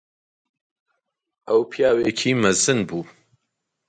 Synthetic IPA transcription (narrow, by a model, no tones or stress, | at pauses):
ʔɐwpʰjaːwekʰiːmɐzɨnbuː